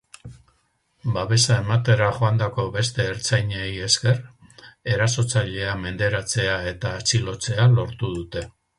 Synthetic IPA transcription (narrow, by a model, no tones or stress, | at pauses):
baβe̞sae̞mat̪e̞ɾaʝo̞and̪ako̞βe̞st̪e̞ːɾt͡sajɲeje̞ske̞re̞ɾaso̞t͡saʎe̞ame̞nd̪e̞ɾat͡se̞ae̞t̪aːt͡silo̞t͡se̞alo̞ɾt̪uð̞ut̪e̞